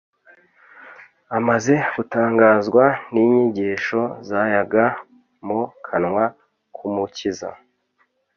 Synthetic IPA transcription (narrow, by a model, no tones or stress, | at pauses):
amaze̞ɡ̥utaːŋɡaːzɡwaniːɲiɟiːʃo̞zajaɡa | mukʰanŋwa | kʰumuciza̰